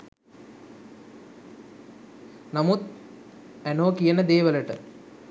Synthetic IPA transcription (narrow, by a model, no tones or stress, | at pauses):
namut̪ | ænoːkijənəd̪eːʋələʈə